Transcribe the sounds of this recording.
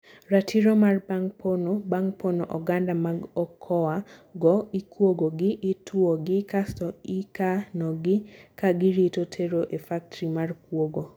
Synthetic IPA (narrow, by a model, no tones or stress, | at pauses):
ratʰiɾomarbaŋpʰonobaŋpʰonoʔɔɡandamaɡɔkʰɔaɡɔikwoɡoɡɪʔːtʰwuoɡɪkastɔikanɔɡɪkaɡiɾitotʰeɾoʔefak̚tɾimarkwoɡo